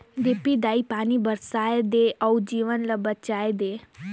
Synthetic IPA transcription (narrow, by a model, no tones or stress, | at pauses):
d̪epid̪aːipaːnibəɾsaːjed̪eɐud͡ʒiːʋənləbət͡ʃaːed̪eː